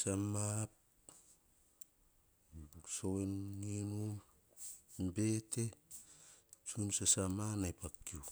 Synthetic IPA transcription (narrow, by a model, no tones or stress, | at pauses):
samap̚ | sowenːinum | be̞te̞ | t͡ʃunsasamanajpakːiu